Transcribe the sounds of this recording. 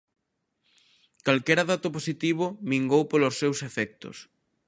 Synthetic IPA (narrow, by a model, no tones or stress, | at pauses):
kalkɛɾaðat̪oposit̪iβ̞ʊmiŋɡowpolosːewsefɛk̚t̪o̰s